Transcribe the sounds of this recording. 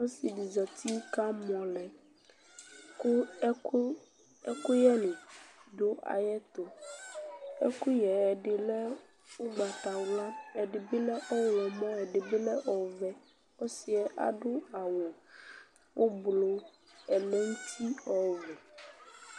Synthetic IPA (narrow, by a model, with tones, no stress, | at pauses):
wo˦si˨di˨za˨t̪ʰi˦ka˦mɔ̃˨lɛ˨ | ku˦ | ɛ˦ku˦jɛ˦li˨ɖo˦a̰˨jɛ˦t̪o˨ | ɛ̰˦ku˦jɛ˨ɛ˨ɖe˨lɛ˦ | wo˦ɡ͡ba˨t̪a˨wla˦ɛ˨ɖe˨be˦lɛ˦ʔɔ˦wwɔ˨mɔ̃˦ɛ˨ɖe˨be˦lɛ˦ʔɔ˨vɛ˦ | wo˦si˨ɛ˦˨ʔa̰˨ɖo˦a˨wɔ̃˨ | wo˦blo˨ | ɛ˨lɛ˦ŋ̩˦t̪ʰi˦ɔ˨vɛ˨